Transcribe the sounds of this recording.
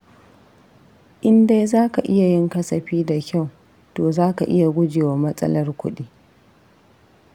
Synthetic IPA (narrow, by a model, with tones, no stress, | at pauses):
ʔɪ˦nda˦jzaː˦ka˨ʔɪ˦ja˨jɪ˦ŋkɐ˦sɐ˨ɸiː˦da˨kʲa˦˨w | toː˨zaː˦ka˨ʔɪ˦ja˨ɡʷʊ˦d͡ʒeː˨wa˨mɐ˦sʼɐ̰˦lɐ˦rkʷʊ̰˦ɗiː˦